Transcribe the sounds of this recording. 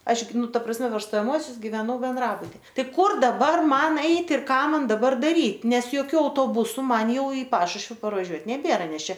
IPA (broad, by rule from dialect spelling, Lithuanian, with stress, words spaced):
ˈɐʃ ˈɡʲɪ ˈnʊ ˈtɐ prɐsʲˈmʲɛ pʲɛr stoːjɛˈmuɔsʲʊs ɡʲɪʋʲɛˈnɐʊ bʲɛnˈdrɑːbʊtʲɪ ˈtɐɪ ˈkʊr dɐˈbɐr ˈmɐn ˈɛɪtʲ ɪr ˈkɑː ˈmɐn dɐˈbɐr dɐˈrʲiːt ˈnʲɛs joːˈkʲuː ɐʊtoːˈbʊsʊ ˈmɐn ˈjɛʊ ɪ ˈpɑːʃʊʃʲʋʲɪ pɐrʋɐˈʒʲuɔt nʲɛˈbʲeːrɐ ˈnʲɛs ˈt͡ʃʲɛ